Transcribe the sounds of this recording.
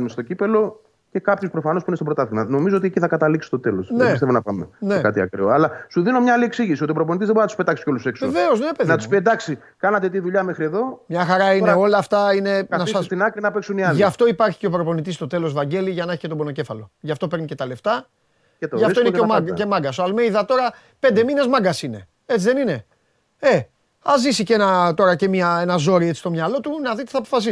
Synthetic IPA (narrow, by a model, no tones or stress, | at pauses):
numest̪o̞cipe̞lo̞ | ce̞kɐpçespɾo̞fɐno̞spuinest̪obɾot̪ɐθimɐno̞mizoot̪ieciθɐkɐt̪ɐliksi̥st̪ot̪e̞losneist̪evonɐpɐmenekɐ̰t̪iɐ̰kɾioɐlɐsuðino̞mɲɐalieksiʝisiot̪iopɾop̬onit̪izðeboɾinɐt̪u̥spe̞t̪ɐkse̥co̞lussekseveozeneɐpeðnɐt̪u̥spied̪ɐksi | kɐnɐt̪̬et̪iðuʎɐmexɾieðo̞mɲɐxɐɾɐineo̞lɐːft̪ɐine̞nɐsɐinɐkinɐpeksuniɐlʝɐft̪o̞ipɐɾçi̥ceopɾo̞po̞nit̪̬ist̪o̞t̪e̞lo̞zvɐɲɟe̞liʝɐneçi̥cet̪obo̞no̞ce̞fɐlo̞ʝɐft̪o̞pe̞ɾnice̞t̪ɐle̞ft̪ɐ | et̪ʝɐft̪oineemaɡcemɐɡɐsoɐlmeiðɐt̪o̞ɾɐ | pe̞nd̪e̞mine̞zmɐɡɐsine̞ | e̞t͡siðenine̞ | e̞ | ɐzisicenɐt̪o̞ɾɐce̞miɐe̞nɐzo̞ɾie̞t͡si̥st̪o̞mɲɐlo̞t̪unɐðit̪i̥θɐp̬o̥fɐs̬i